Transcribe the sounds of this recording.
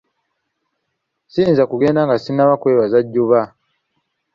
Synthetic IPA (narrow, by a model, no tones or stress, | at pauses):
siːnzakuɡe̞ːndaŋɡasinːaβakwe̞ːβazaɟːuβa